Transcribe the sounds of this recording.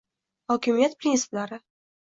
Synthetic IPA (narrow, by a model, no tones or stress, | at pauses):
hɒkʲɪmijat̪̚pɾʲɪnsɪ̥plaɾɪ